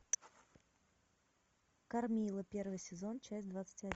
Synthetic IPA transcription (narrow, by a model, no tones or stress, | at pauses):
kɐrmʲilˠəpʲe̞rvɨjsʲɪzo̞nt͡ɕæsʲtʲd̪vat̪sɨ̥tʲɐ